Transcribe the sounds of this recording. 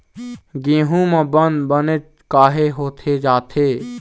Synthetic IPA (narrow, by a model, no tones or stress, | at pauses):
ɡĩːɦũmãbənd̪bənet͡ʃ | kaːɦeɦoːt̪ʰed͡ʒaːt̪ʰeː